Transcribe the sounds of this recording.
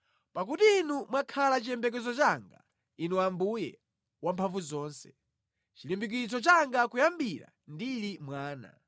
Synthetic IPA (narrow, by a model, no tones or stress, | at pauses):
pak̬utiːnumwakʰalat͡ʃijɛmbɛk̬ɛzɔt͡ʃaŋɡa̰ | inuwambujɛ̰ | wampʰaɱvuzɔːnsɛ̥ | t͡ʃilimbik̬it͡sɔt͡ʃaŋɡakujambiɾa̰ | ndilimwaːna̰